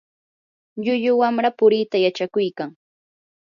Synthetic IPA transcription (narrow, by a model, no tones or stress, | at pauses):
ʎʊʎʊwamɾapʊɾit̪ajat͡ʃakʊjkaŋ